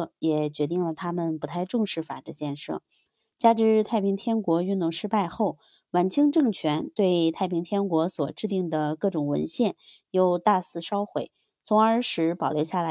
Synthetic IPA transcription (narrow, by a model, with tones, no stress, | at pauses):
jɛ˨˩t͡ɕɥɛ˧˥t̪i˥˩ŋlə˩t̪ʰa˥mə˨npu˧˥t̪ʰa˥˧ɪʈ͡ʂʊ˥˧ŋʂɻ̩˥˩fa̰˨˩ʈ͡ʂə˧˥t͡ɕjɛ˥˧nʂɤ̰˥˩ | t͡ɕja˥ʈ͡ʂɻ̩˧˥t̪ʰa˥˩ɪpʰi˧˥ŋt̪ʰjɛ˥nkwɔ˧˥y˥˧nt̪ʊ˥˩ŋʂɻ̩˥pa˥˧ɪxo˥˩ʊ | wa˧˥nt͡ɕʰi˥ŋʈ͡ʂɤ˥˩˧ŋt͡ɕʰɥɛ˧˥nt̪we˥˧ɪt̪ʰa˥˩ɪpʰi˧˥ŋt̪ʰjɛ˥nkwɔ˧˥swɔ˨˩ʈ͡ʂɻ̩˥˧t̪i˥˩ŋd̪ə˩kɤ˥˩ʈ͡ʂʊ˨˩ŋwə̰˧˥nɕjɛ˥˩njo˥˧ʊt̪a˥˧sɹ̩˥˩ʂɑ˥ʊxwe˨˩˦ɪ | t͡sʰʊ˧˥ŋə˞˧˥ʂɻ̩˧˥pɑ˨˩ʊjo˧˥ɕja˥˩la˧˥